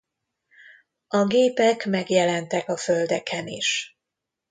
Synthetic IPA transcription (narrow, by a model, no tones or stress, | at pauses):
ɒɡeːpɛkmɛɡjɛlɛnt̪ɛkɒfø̞ld̪ɛkʰɛnḭʃ